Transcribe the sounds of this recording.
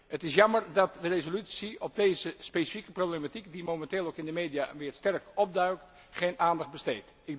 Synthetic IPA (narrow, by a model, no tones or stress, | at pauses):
ətɪsjɑməɹdɑt̚dərezolytsiɔb̚dejzəspesi̥fikəproblematikdimomɛnteːlˠowkɪndəmejdijaʋɪːɹstɛrkɔb̚dœɥkt | χejnaːndɑχd̚bəstejt | ɪɡ̚